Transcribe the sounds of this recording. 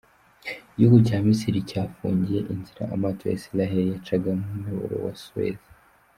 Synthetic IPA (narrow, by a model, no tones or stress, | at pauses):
juɡucaːmisiɾicaːfṵːɲɟije̞ʔinziɾa̰ʔamatʰoja̰silaɦeɾijat͡ʃaɡamumeβo̰ɾo̰wa̰suwḛð